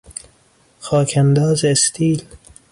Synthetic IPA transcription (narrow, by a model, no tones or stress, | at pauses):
xɒːkʰænd̪ɒːzest̪ʰiːl